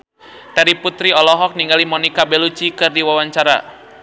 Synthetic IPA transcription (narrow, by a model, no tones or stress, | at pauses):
taɾiput̪ɾiɔlɔɦɔk̚niŋɡalimɔnikabɛlut͡ʃikɨrdiwawaɲt͡ʃaɾa̰